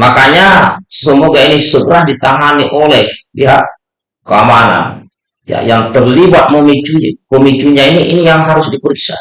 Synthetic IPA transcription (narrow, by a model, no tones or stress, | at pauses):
makaɲasəmoɡainisəɡəɾahdit̪aɦaniʔɔlɛhpiɦaʔ | kəamana̰n | ja̰jaŋt̪ərlibat̪̚məmit͡ʃuməmit͡ʃuɲainiʔinijaŋɦaɾʊsdipəɾik̚sa̰